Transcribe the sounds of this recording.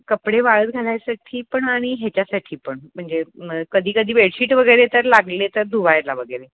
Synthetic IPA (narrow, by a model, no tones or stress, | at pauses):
kəpɽeʋaɭəːt̪̚ɡʱalajsaʈʰiːpəɳaɽ̃iɦet͡ɕjasaʈʰiːpəɳm̤əɳd͡zekəd̪ʱiːkəd̪ʱiːʋeɽɕiːʈʋəɡəjɾet̪əɾlaɡlet̪əɾd̪ʱuʋajlaʋəɡəjɾe